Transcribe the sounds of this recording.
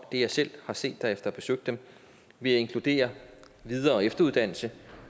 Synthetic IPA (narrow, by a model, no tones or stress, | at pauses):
d̥e̝jɑ̈ɪsel̰hɑ̈se̝̰ːd̥ːæɐefd̥ɐɒb̥e̝søɡ̥̚d̥em | ʋe̝æe̝ŋkʰlud̥e̝̰ːɐ | ʋið̞ˠɐːɒ̽efd̥ɐuðˠd̥æn̰l̩sə